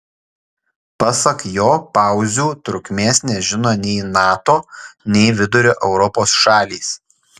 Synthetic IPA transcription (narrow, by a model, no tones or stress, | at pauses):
pɐsɐkjoːpɑˑʊzʲuːt̪ɾʊkʲmʲeːsnʲɛʒʲɪnoːnʲɛɪnɑːt̪oːnʲɛɪʋʲɪd̪ʊɾʲoːʔɛʊɾɔpoːsʃɑːlʲiːs